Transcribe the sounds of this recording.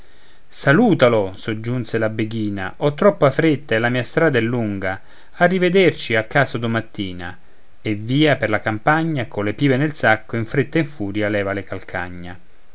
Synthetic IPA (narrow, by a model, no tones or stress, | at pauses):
saluːt̪alosod͡ʒːunselabeɡiːna̰ʔɔt̪ːɾɔpːoafɾet̪ːaɛlːamiːast̪ɾaːd̪aɛlːuŋɡaː | rːived̪ert͡ʃiakːaːsod̪omat̪ːiːna̰ | evːiːaperlakampaɲːakːolepiːvenelsakːoiɱfɾet̪ːaiɱfuːɾjalɛːvalekalkʰa̰ɲːa